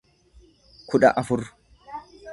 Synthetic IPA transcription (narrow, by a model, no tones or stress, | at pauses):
kʰʊᶑɐ̰ʔɐfʊr